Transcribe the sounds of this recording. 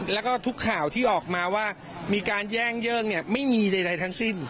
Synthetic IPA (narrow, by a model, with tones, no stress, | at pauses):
lɛː˦˥wkɔː˥˩t̪ʰu˦˥kʰːaː˨˩˦wt̪ʰiː˥˩ʔɔː˨˩k̚maː˧waː˥˩ | miː˧kaː˧njɛː˥˩ŋjɤː˥˩ŋni˥˩ɐma˥˩jmiː˧na˧jda˧jt̪ʰa˦˥ŋsi˥˩n